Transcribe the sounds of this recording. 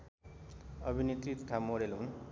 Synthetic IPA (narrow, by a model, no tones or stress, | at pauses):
ʌbʱinit̪rit̪ʈ̪ʰamoɾelɦun